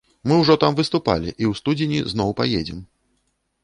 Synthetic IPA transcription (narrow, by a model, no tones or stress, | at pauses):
mɨwʐɔt̪amvɨst̪upa̰lʲiʔiwst̪ud͡zʲɪnʲiznɔwpajed͡zʲɛm